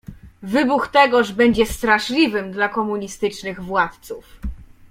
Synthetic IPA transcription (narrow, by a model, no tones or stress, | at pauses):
vɘbuxt̪ɛɡɔʐbɛɲd͡ʑɛst̪ɾaʂlʲivɘmd̪lakɔmuɲist̪ɘt͡ʂnɘɣvwat̪t̪suf